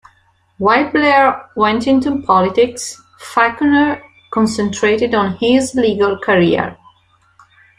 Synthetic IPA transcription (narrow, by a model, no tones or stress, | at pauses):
waɪblɛɹwɛ̃ntɪ̃ntupʰɔlɪtɪks | fakənəɹ | kɔ̃nsɛ̃ntʰɹetɪdɔ̃nhɪzliːɡəlˠkʰəɹiə̰ɹ